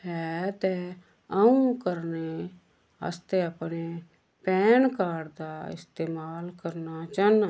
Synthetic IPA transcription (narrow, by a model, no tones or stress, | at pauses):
ɦɛːt̪ɛ | əũkəɾne | ə̰st̪eːəpneː | pɛːnkaːɽd̪aːɪ̰st̪eːmaːlkəɾnaːt͡ʃaːna